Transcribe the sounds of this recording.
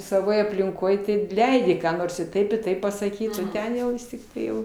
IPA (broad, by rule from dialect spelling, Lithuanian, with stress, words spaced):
sɐˈʋoːj ɐpʲlʲɪŋˈkoːj ˈtɐɪ ˈlʲɛɪdʲɪ kɑː ˈnoːrs ɪ ˈtɐɪp ɪ ˈtɐɪp pɐsɐˈkʲiːt oː ˈtʲɛn jɛʊ ˈʋʲɪs tʲɪkˈtɐɪ ˈjɛʊ